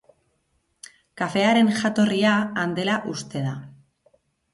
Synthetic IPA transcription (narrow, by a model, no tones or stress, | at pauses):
kafe̞aɾe̞nʝat̪o̞riaand̪e̞laʔust̪e̞ð̞a